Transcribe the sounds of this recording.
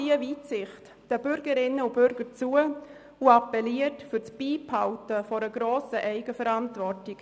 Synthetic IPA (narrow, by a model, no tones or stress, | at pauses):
iəviːtsɪχt | d̥əbʏɾɡəɾɪnəub̥ʏɾɡəɾt͡suə | uɑpɛliətfyɾt͡sb̥iːphawtəfɔɾəɡɾoːsəʔɛɪɡəfɛɾantvɔrtɪɡ